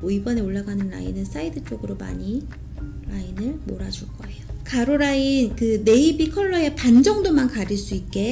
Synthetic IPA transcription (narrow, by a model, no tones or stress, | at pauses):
oibʌne̞oɭːaɡanɯnːa̰inɯns͈aidɯt͡ɕ͈oɡɯɾoma̰ɲi | nainɯɭmo̰ɾad͡ʑuɭk͈ʌe̞jokʰaɾoɾainkɯne̞ibikʰʌɭːʌepand͡ʑʌŋdomankaɾiɭs͈uik̚k͈e̞